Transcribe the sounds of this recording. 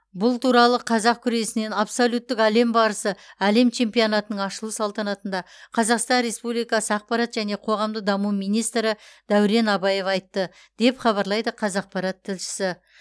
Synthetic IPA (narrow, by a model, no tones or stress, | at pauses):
bʊlˠt̪ʰuɾɑlˠəqʰɑzɑq̚kʲʰʏɾe̞sɪne̞nɑpsolʲut̪ːɪkæle̞mbɑɾəsəæle̞mt͡ʃʰe̞mpijonɑt̪ənəɴɑʃəlˠusɑlˠt̪ɑnɑt̪ənd̪ɑqʰɑzɑqst̪ɑnɾe̞spublijkɑsəɑq̚pɑɾɑt̪ʒæne̞qʰo̞ʁɑmd̪əd̪ɑmumijnijst̪ɾɪd̪̥æwɾe̞nɑbɑje̞fɑjt̪ːə | d̪̥e̞pχɑβɑɾlˠɑjd̪əqʰɑzɑq̚pɑɾɑt̪ʰːɪlʃɪ̥sɪ